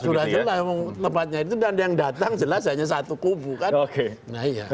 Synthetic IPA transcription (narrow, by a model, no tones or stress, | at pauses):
sudahd͡ʒəlaemɔŋt̪əmpat̪̚ɲait̪it̪udandajaŋdat̪aŋd͡ʒəlas̬aɲas̬at̪ukubukanoke | naɦija̰